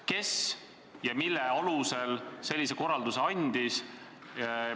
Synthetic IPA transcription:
ke̞s | jɑmilːeɑluse̞lse̞lʲːiseko̞rɑld̪useɑnʲd̪̥is

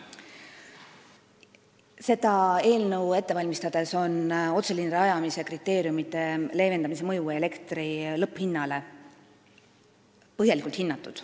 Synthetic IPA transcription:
se̞d̪̥ɑe̞ːlnəwe̞t̪ːe̞vɑlʲmist̪ɑd̪̥e̞so̞no̞t̪se̞linreɑjɑmise̞krit̪ːˑe̞ːɾjumit̪ːˑe̞le̞ːve̞nd̪ɑmis̬e̞mɤjuele̞kt̪rilɤpːhinːɑle̞ | pɤɦjɑlikːˑult̪hinːɑt̪ːˑud̪̥

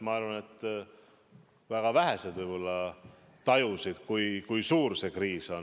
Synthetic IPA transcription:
mɑɑɾvɑne̞t̪ːˑ | væɡ̥ɑvæɦese̞d̪̥vɯjb̥o̞lːɑ | t̪ɑjusid̪̥kujkujsuːɾse̞kriːso̞n

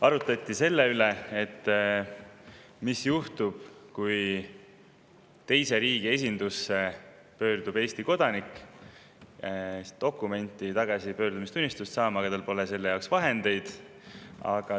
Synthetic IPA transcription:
ɑɾut̪ːˑɑt̪ːˑise̞lːe̞yle̞et̪ː | misjuht̪ub̥kuj | t̪e̞jse̞ɾiːɡ̥ie̞s̬ʲind̪̥usːe̞ | pø̞ːrd̪ub̥e̞ːsʲt̪iko̞d̪̥ɑnikːˑ | t̪o̞kːˑume̞nʲt̪ˑːit̪ɑɡ̥ɑsipø̞ːɾd̪̥umist̪unʲːist̪ust̪sɑːmɑɡ̥ɑt̪ɑlpo̞lese̞lːe̞jɑwksvɑɦe̞nd̪̥e̞jd̪̥ | ɑ̰ɡ̥ɑ

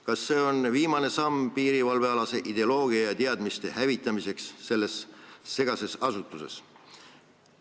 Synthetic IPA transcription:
kɑsːe̞ːo̞nviːmɑne̞sɑmpiːɾivɑlve̞ɑlɑse̞ʔid̪e̞olo̞ːɡ̥iɑjɑt̪eɑd̪mist̪e̞hævit̪ːˑɑmise̞ksːe̞lːe̞sːe̞ɡ̥ɑse̞sɑsut̪ːˑuse̞̰s

